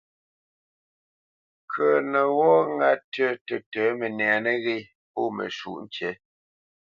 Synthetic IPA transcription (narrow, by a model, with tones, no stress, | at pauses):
kʰə˨nə˨wɔ˦ŋa˦tə˦tə˨təː˨˦mə˨nɛ˨nə˦ɣe˦ | po˦˨mə̰˨ʃṵ˨ʔn˦t͡ʃɛ˨˦